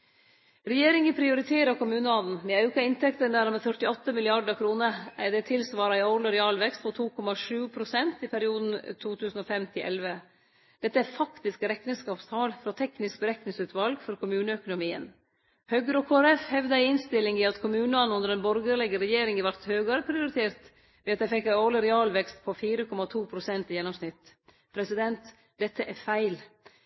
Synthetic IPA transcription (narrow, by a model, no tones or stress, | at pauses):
ɾɛjeːɾɪŋəpʰɾɪʊɾɪt̪ʰeːɾɑkʊmʉːnəɑnn̩mɛɑʉkɑɪnt̪ʰɛkt̪ənd̪æːɾmɛfœʈɪɔt̪ːəmɪlɪɑɖəkʰɾuːnəæd̪ɛt̪ʰɪlsʋɑːɾɑɪɔɾləɾɛɑːlʋɛkst̪̚pʰɔt̪ʰuːkʰɔmɑʂʉːpʰɾʊsɛnt̪ɪpʰæɾɪuːd̪n̩t̪ʰuːt̪ʰʉːsn̩ɔfɛmt̪ʰɪlʔɛ̰lʋə | d̪̥ɛt̪ːəæɾfɑkt̪ɪskɾɛknəskɑːpst̪ʰɑːlfɾɑːt̪ʰɛknɪsk̚bəɾɛknɪŋsʉːt̪ʋɑlɡfɔɾkʰʊmʉːnəœkʊnʊmiːə̰n | hœɡəɾɔkʰoæɾɛfhɛʋd̪əæɪɪnst̪ɪlɪŋɪɑt̪kʰʊmʉːnəɑnʊnd̪əɾɛnbɔɾɡəɾlɪɡəɾɛjeːɾɪŋəʋæɾt̪høːɡɑɾəpʰɾɪʊɾɪt̪ʰeːɾt̪ | ʋɛːɑt̪d̪æɪfɛkːæoːlɪɾɛɑːlʋɛkst̪pʰɔfiːɾəkʰɔmɑt̪ʰuːpʰɾʊsɛnt̪ɪjɛnːʊmsnɪt̪ː | pʰɾɛsɪd̪ɛnt̪ | d̪̥ɛt̪ːəʔæɾfæɪl